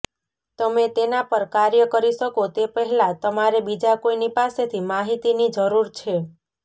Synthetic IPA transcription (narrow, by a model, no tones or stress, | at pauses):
t̪əmet̪enapəɾkaɾjəkəɾiʃəkot̪epəɦɛlat̪əmaɾebid͡ʒakoinipaset̪ʰimaɦit̪inid͡ʒəɾuɾt͡ʃʰe